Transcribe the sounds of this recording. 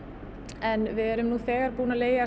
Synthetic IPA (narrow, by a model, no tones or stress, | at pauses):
ɛnvɪɛɾʏmnuːθɛːɣaɾpuːnaleːja